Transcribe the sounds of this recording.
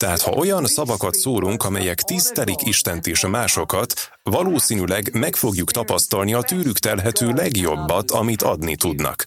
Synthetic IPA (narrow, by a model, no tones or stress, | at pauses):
t̪ɛɦaːt̪hɒ̰ʔo̞jɒnsɒvɒkɒt̪soːɾuŋkɒmɛjɛkt̪ist̪ɛlikiʃt̪ɛnt̪eːʃɒmaːʃo̞kɒt̪ | ʋɒloːsiːnylɛɡmɛkfo̞ɡjukt̪ɒpɒst̪ɒlniɒt̪yːɾykt̪ɛlɦɛt̪øːlɛɡjo̞bːɒt̪ʰɒmit̪ʰɒd̪nit̪ud̪nɒ̰k